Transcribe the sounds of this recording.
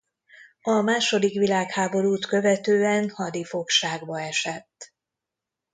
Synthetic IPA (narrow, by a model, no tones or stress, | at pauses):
ɒmaːʃo̞d̪ikʋilaːkhaːbo̞ɾuːt̪kø̞vɛt̪øːɛnhɒd̪ifo̞kʃaːɡbɒɛʃɛt̪ː